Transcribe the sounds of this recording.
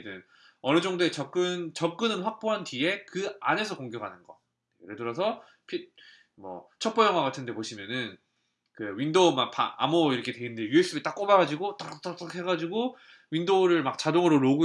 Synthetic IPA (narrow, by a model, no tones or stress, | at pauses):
dɯn | ʌnɯd͡ʑʌŋdoe̞t͡ɕʌk͈ɯnt͡ɕʌk̚k͈ɯnɯnɸwak̚p͈oɦantie̞kɯa̰ne̞sʰʌkoŋɡjʌɡanɯnɡʌ̰ | kɯɾedɯɾʌs̬ʰʌ | pʰi | mʌ̰t͡ɕʰʌk̚p͈ojʌŋɦwaɣatʰɯnde̞poɕʰimjʌnɯn | kɯwɥindomapa̰a̰moiɾʌkʰe̞twe̞inɯndejues͈ɯbit͈ak͈obaɣad͡ʑiɡot͈ak͈aakhe̞ɡad͡ʑiɡo | windoɾɯɭmak̚t͡ɕadoŋɯɾoɾoɡu